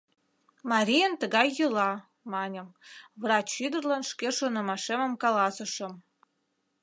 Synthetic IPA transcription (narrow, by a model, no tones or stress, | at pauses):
mɑɾʲijənt̪əɣɑjːəlɑ | mɑnʲə̆mvrɑt͡ɕːyd̪ərlɑnʃkeʃonə̆mɑʃemə̆mkɑlɑsə̆ʃə̆m